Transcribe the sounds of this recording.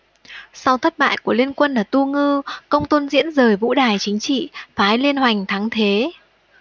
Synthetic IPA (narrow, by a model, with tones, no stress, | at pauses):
sa˧wt̪ʰə˦˥t̚ɓa̰ː˧˨jku˧˩əli˧ənkwə˧nlaː˨˩t̪u˧ŋɨ˧kə˧wŋ͡mt̪o˧nzḭ˧˥ənzəː˨˩jvṵ˧˥ɗaː˨˩jt͡ɕï˨˦ŋ̟t͡ɕḭ˧˨faː˨˦jli˧ənhwa˨˩jŋ̟t̪ʰa˨˦ŋt̪ʰe˨˦